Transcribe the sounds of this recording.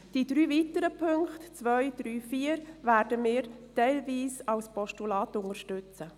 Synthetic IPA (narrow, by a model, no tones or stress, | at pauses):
d̥id̥̪ɾyːvitəɾəpʰɵŋkχtt͡sʋœʏd̪̥ɾyːfiːəɾvæːɾdəmɪːɾtɛɪlviːsɑwspɔʃtulɑːt̪ʊŋəɾʃtʉt͡sə